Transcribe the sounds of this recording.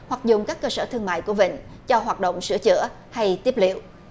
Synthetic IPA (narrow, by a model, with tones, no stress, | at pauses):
hwa˨˩k̚zʊ˨˩ŋ͡mkaː˦˥kːəː˧səː˧˩t̪ʰɨ˧əŋma̰ː˧˨jku˧˩əvḭ˧˨ŋ̟t͡ɕɔ˧ɦwaː˨˩t̚ɗo̰˧˨wŋ͡msɨ̰˧˥ət͡ɕɨ̰˧˥ə | ha˧jt̪i˦˥əp̚lḭ˧˨əw